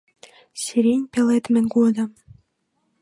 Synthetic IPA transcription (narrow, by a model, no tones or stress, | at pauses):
sʲiɾʲenʲpʲelet̪mʲɘ̆nʲɡod̪ɤ̆